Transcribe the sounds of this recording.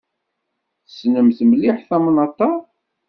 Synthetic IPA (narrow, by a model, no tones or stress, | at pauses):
θəsnəmθəmliħθɑmnɑt̪ˤːɑ